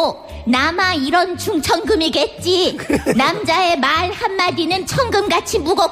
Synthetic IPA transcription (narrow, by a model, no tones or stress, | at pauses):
namaiɾʌnt͡ɕuŋt͡ɕʰʌŋɡɯmiɡe̞t̚t͡ɕ͈inamd͡ʑae̞maɭhanːadinɯnt͡ɕʰʌŋɡɯmɡat͡ɕʰimuɡʌ